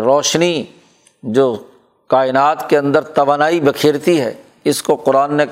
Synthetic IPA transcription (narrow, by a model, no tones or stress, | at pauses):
ɾɔːʃni | d͡ʒoː | kaːɪnaːt̪keɐ̃nd̪əɾt̪ɐʋaːnaːibɐkʰiːɾt̪iɦɛ̰ː | ɪskoqʊɾaːnːe